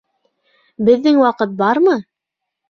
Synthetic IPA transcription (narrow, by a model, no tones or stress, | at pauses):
bɘ̆ðːɘŋwɑqɤt̪̚bɑɾmɤ